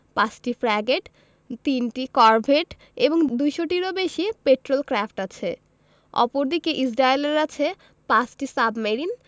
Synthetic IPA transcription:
pãt͡ɕʈifɾɛɡeʈ | t̪inʈikɔɾbʱeʈ | eboŋd̪ujʃoʈiɾobeʃiepeʈɾolkɾafʈat͡ɕʰe | ɔ̰poɾd̪ikeʔisɾaeleɾat͡ɕʰe | pat͡ɕʈisabmeɾin

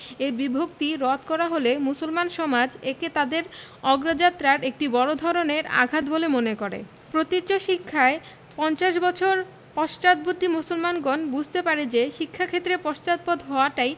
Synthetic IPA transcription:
ebibʱokt̪iɾɔt̪kɔɾaɦolemusolmanʃɔmad͡ʑeket̪ad̪eɾɔɡɾad͡ʑat̪ːɾaɾek̚ʈibɔɾod̪ʱɔɾoneɾa̰ɡʱat̪bolemonekoɾḛ | pɾot̪itːɕoʃikʰːae | pɔnt͡ɕaʃ̬bɔt͡ɕʰoɾ | pɔʃt͡ɕad̪̚but̪ːimusolmanɡɔnbud͡ʑʱt̪epaɾed͡ʑeʃikʰːakʰet̪ːɾepɔʃt͡ɕat̪̚pod̪ɦɔoaʈaj

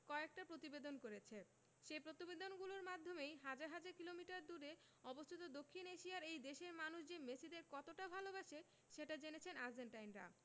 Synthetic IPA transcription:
kɔek̚ʈapɾot̪ibed̪onkoɾet͡ɕʰe | ʃepɾot̪ibed̪onɡuloɾmad̪ʱːomejɦad͡ʑaɾɦad͡ʑaɾkilomiʈaɾd̪uɾe | ɔbost̪ʰit̪od̪okʰːineʃiaɾejd̪eʃeɾmanuʃd͡ʑemesid̪eɾkɔt̪oʈabʱalobaʃe | ʃeʈad͡ʑenet͡ɕʰenaɾd͡ʑeɳʈajnɾa̰

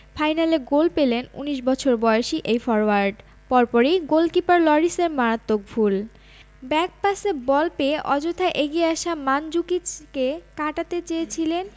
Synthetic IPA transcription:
fʰajnaleɡolpelenṵniʃbɔt͡ɕʰoɾbɔeoʃiʔejfɔɾoaɾɖ | pɔɾpɔɾiɡolkipaɾlɔɾiseɾmaɾat̪ːok̚bʱul | bɛk̚pasebɔlpeʔɔd͡ʑot̪ʰaʔeɡieaʃamand͡ʑukit͡ɕkekaʈat̪et͡ɕeet͡ɕʰilen

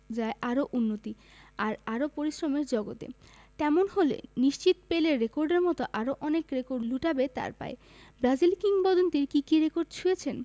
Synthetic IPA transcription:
d͡ʑaeʔaɾoʔunːot̪i | aɾaɾopoɾiʃɾomeɾd͡ʑɔɡot̪ḛt̪ɛmonɦolḛniʃt͡ɕit̪peleɾekoɾɖeɾmɔt̪oʔaɾoʔɔnekɾekoɾɖluʈabet̪a̰ɾpa̰e | bɾad͡ʑilkiŋbɔd̪ont̪iɾkikiɾekoɾɖt͡ɕʰujet͡ɕʰen

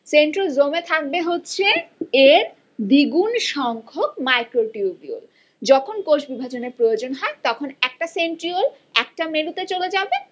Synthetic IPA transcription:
seɳʈɾolzomet̪ʰak̚beɦotːɕʰeeɾ | b̪iɡunʃɔŋkʰok̚majkɾoʈiubio̰l | d͡ʑɔkʰonkoʃbibʱat͡ɕoneɾpɾojod͡ʑonɦɔet̪ɔkʰonɛk̚ʈaseɳʈɾiol | ɛk̚ʈameɽut̪et͡ɕoled͡ʑabe

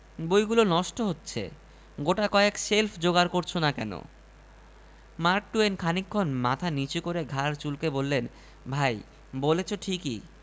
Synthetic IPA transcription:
bojɡulonɔʃʈoɦotːɕʰḛ | ɡoʈakɔekselfʰd͡ʑoɡaɾkoɾt͡ɕʰonakɛno̰ | maɾk̚ʈuenkʰanikʰːonmat̪ʰanit͡ɕukoɾeɡʱaɾt͡ɕulkebolːen | bʱaj | bolet͡ɕʰoʈʰikḭ

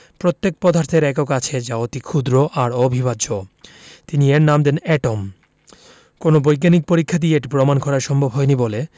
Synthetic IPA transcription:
pɾot̪ːek̚pɔd̪ʱaɾt̪ʰeɾɛkokat͡ɕʰed͡ʑaot̪ikʰud̪ɾoʔaɾobʱibad͡ʑot̪inieɾnamd̪enɛʈom | konobojk̬anik̚poɾikʰːad̪ieeʈipɾomankʰɔɾaɾʃɔmbʱobɦɔjnibole

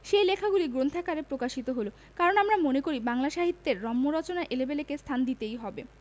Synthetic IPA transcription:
ʃejlekʰaɡuliɡɾont̪ʰakaɾepɾokaʃit̪oɦolo | kaɾonamɾamonekoɾibaŋlaʃaɦit̪ːeɾːɔmːoɾɔt͡ɕonaʔelebelekest̪ʰand̪it̪ejɦɔbe

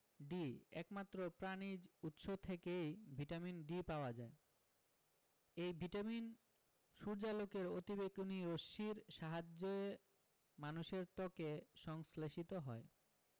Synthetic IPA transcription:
ɖiɛ̰kmat̪ːɾopɾanid͡ʑut̪ʃot̪ʰekejbʱiʈaminɖipaoad͡ʑae | ejbʱiʈamin | ʃuɾd͡ʑalokeɾot̪ibekuniɾoʃiɾʃaɦad͡ʑːoe | manuʃeɾt̪ɔkeʃɔŋsleʃit̪oɦɔe

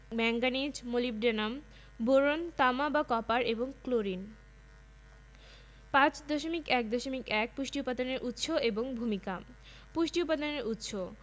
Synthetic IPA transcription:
mɛŋɡanid͡ʑmolip̚ɖenam | boɾont̪amabakɔpaɾeboŋkloɾin | pãt͡ɕd̪oʃomikɛk̚d̪oʃomikɛk̚puʃʈiupad̪oneɾʔut̪ːʃoʔeboŋbʱumika | puʃʈiupad̪oneɾut̪ːʃo

